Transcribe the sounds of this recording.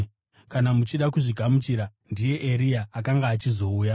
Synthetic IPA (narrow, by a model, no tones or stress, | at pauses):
kanamut͡ʃiɗakuʐiɡʱamut͡ʃiɾandije̞ʔeɾijaːkaŋɡaːt͡ʃizo̞uːja